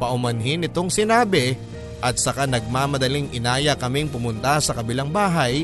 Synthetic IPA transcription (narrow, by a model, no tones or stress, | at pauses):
pɐʔʊmɐnɦɪnɪt̪o̞ŋsɪnaːbɪ | ʔɐt̪̚sɐkanɐɡ̚maːmɐd̪ɐliŋʔɪnaːjɐkɐmɪŋpʊmʊnt̪asɐkɐbɪlaŋbaːɦɐj